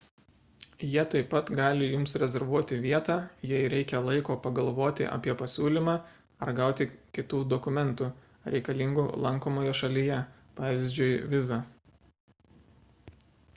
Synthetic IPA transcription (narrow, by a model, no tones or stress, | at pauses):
jiɛt̪ɐɪpːɐt̪ɡɑːlʲɪjʊmsɾʲɛzʲɛɾʋuɔt̪ʲɪʋʲiɛt̪ɑːjɛɪɾʲɛɪkʲɛlˠɐɪkoːpɐɡɐlˠʋoːt̪ʲɪ̰ʔɐ̰pʲiɛpɐsʲuːlʲimɑː | ɐɾɡɐˑʊt̪ʲɪkʲɪt̪uːd̪ɔkʊmʲɛnt̪u | ɾʲʔɛɪkɐlʲɪŋɡʊlˠɐŋkoːmoːjɛʃɐlʲijɛ | pɑːʋʲɪzʲd͡ʒʲʊɪʋʲɪzɑ